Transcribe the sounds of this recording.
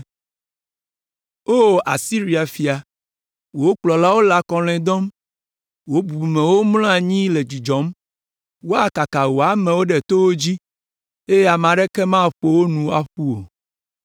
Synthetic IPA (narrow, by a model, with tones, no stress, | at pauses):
o˦a̰˨si˦ɾi˨a˨fi˨a˨ | wo˦k͡plɔ˨la˦wo˦la˨kɔ˨l̃ɛ̃˨d̪ɔ˦m | wo˦bu˨bu˨mẽ˨wo˦mlɔ̃˦a˨ɲĩ˦le˨d͡ʑi˨d͡ʒɔ˨˦m | wo˦a˨ka˨ka˨wo˨a˨mɛ̃˨wo˦ɖe˨t̪o˦wo˦d͡ʑi˦ | e˦je˦a˨m˨ã˨ɖe˦kɛ˦mã˦˨ɸo˦wo˦nũ˨˦a˨ɸu˦o̰˨